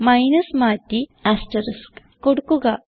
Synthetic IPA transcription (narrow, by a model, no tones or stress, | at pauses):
majnɐsmaːt̪iasʈəɾəsk | koɽkuɡa